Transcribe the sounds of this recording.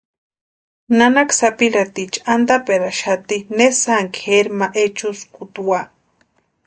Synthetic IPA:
nanaksapiɾat̪it͡ʃand̪apeɾaʃat̪inesaŋkxeɾmaʔet͡ʃuskut̪uwa

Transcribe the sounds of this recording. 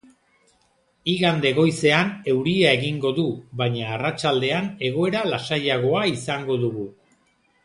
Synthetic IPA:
iɣand̪e̞ɣo̞jse̞ane̞wɾiae̞ɣiŋɡo̞ðuβaɲaːrat͡ʃald̪e̞ane̞ɣ̞o̞e̞ɾalasajaɣ̞o̞aisaŋɡo̞ðuɣu

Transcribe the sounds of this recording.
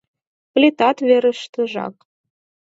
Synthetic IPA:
plʲit̪ɑt̪vʲeɾə̆ʃt̪ɤ̆ʒɑ̰k

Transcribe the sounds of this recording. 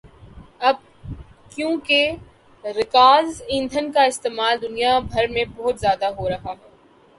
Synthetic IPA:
ɐb̚ | kjõːke | ɾɪkaːzĩːnd̪ʱənkaɪst̪eːmaːld̪ʊnijabʱɐɾmẽbɔɦʊt̪zjaːd̪aɦoɾɐɦaɦɛː

